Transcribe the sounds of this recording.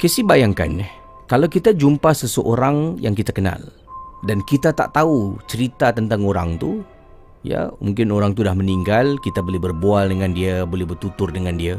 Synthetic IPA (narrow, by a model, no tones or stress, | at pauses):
kesibajaŋka̰nah | kalawkit̪ad͡ʒumpasəsəʔoɾaŋja̰ŋkit̪akəna̰l | dankit̪at̪a̰ʔt̪aut͡ʃəɾit̪at̪ənt̪aŋoɾa̰ŋt̪u | ja̰mṵŋkɪnoɾaŋt̪udahməniŋɡalkit̪abolɛɦbərbualdəŋãndiabolɛhbərt̪ut̪ʊrdəŋandia